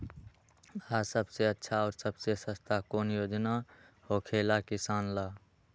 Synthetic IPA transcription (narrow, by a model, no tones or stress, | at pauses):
asəbseətːʃʰaɔːɾsəbsesə̃st̪ʰakonjod͡ʒna | hokʰelakisanla